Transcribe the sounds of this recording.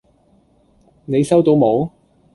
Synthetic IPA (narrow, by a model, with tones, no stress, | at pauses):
ne˨˧jsɐ˥wt̪o˨˧wmo˨˧w